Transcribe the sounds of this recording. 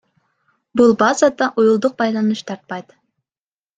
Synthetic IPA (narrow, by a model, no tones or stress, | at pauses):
bulˠbɑzɑd̪ɑʔujulˠd̪ʊq̚bɑjlˠɑnuʃt̪ʰɑɾt̪̚pɑjt̪